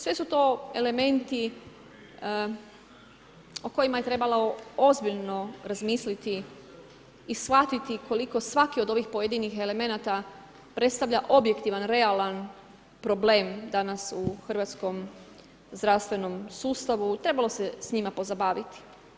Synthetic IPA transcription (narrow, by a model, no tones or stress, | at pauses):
sʋesut̪o̞e̞le̞me̞nt̪i | oko̞jimajet̪ɾe̞balaoo̞zbiʎno̞ɾazmiːslit̪i | sfat̪it̪ikʰo̞liko̞sʋakio̞d̪o̞ʋixpo̞jed̪inixe̞le̞me̞nat̪a | pɾet̪st̪aʋʎaʔo̞bje̞kt̪iʋanɾe̞alan | pɾo̞ble̞ːmd̪anasuxr̩ʋat̪sko̞m | zd̪ɾast̪ʋe̞no̞msuːst̪aʋut̪ɾe̞balˠo̞se̞sɲimapo̞zabaːʋit̪i̥